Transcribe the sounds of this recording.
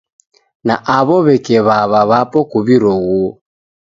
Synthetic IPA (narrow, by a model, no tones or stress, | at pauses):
naʔaβɔβɛkɛβaβaβapɔkuβiɾɔɣɔ